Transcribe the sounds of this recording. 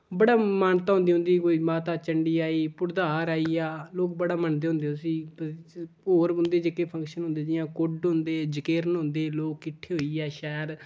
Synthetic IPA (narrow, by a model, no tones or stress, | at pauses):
bəɽaːmaːnt̪aːɦʊ̃nd̪iːɦʊ̃nd̪iːkoːiːmaːt̪aːt͡ʃəɳɖiːaːiːpʊɾd̪aːɾaːiːaːloːk̚bəɽaːmənd̪eːɦʊ̃nd̪eːsiː | oːɾʊnd̪eːd͡ʒekeːpʰə̃ŋkʃənʊ̃nd̪eːd͡ʒɪjãːkʊɖɦʊ̃nd̪eːd͡ʒəkeːɾnɦʊ̃nd̪eːloːkːɪʈʰːeːɦoːiːɛːʃɛːəɾ